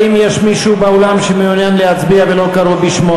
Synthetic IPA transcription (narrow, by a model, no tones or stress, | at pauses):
imjeʃmiʃubeolamʃemeunjanlehat͡sbiavelo̞kaɾovbiʃmo